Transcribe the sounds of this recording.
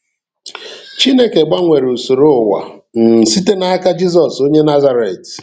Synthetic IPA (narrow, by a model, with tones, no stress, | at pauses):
t͡ʃi˦ne˦ke˨ɡ͡ba˦ŋʷe˨ɾu˨so˨ɾo˦˨wa̰˨n̩˨si˦te˦na˦a˦ka˦d͡ʒi˦z̬ɔ˨so˦ɲe˦na˦za˦ɾe˨t